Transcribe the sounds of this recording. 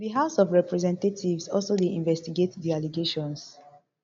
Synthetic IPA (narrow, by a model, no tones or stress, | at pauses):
biɦasɔvɹɛpɹɛzɛ̃ntetʰivsɔlsodeʔĩɱvɛstiɡetdialiɡeʃɔ̃ns